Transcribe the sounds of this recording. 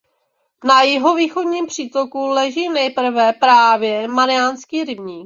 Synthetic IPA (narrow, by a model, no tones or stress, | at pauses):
najɪɦo̞viːxo̞dɲiːmpr̝̥iːt̪okulɛʒiːnɛjpr̩vɛpɾaːvjɛmaɾɪjaːnskiːɾɪbɲiːk